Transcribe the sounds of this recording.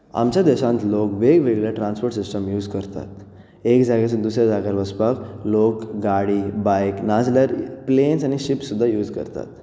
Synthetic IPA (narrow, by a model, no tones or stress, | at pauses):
a̰mt͡ɕjad̪ɛɕãnt̪lokʋeɡʋeɡlaʈɾãnspoɾʈsisʈəmjuːd͡zkəɾt̪a̰t̪ | ekd͡zaɡasə̃d̪usɾjad͡zaɡaɾʋəspaklokɡaɽiːbajknad͡zləɾplensañiɕipsud̪ʱːajuːd͡zkə̰ɾt̪a̰t̪